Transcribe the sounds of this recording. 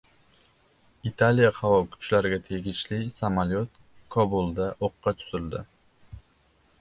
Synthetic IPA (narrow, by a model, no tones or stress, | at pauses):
it̪ʰalijahavɒkʰʊ̥t͡ʃlaɾɪɡʲat̪ʰe̞ɡʲɪʃlɪsamaljot̪̚ | kʰɒbulˠd̪aʔoqːɑt̪ʰʊ̥zɪld̪ɪ